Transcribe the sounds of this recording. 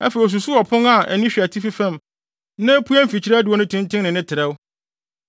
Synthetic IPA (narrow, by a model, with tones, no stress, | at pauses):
ɛ˦fɛ˨i˨ɔ˨s̬u˨su˦ɔ˨pʰʊ̃˦ŋa˨ɛ̰˨nĩ˦ɕᶣi˨æ˨tʰi˦fi˦fɛ̃˦m | nɪ̃˦pʰu˦æ˦m̩˦˨fi˨t͡ɕʰi˦ɾɛ˦dɪ˨wɔ˦nʊ̃˦tʰʊ̃˦ntʰɪ̃˦ŋnɪ̃˨nɪ̃˦tʰɪ˨ɾɛ˦w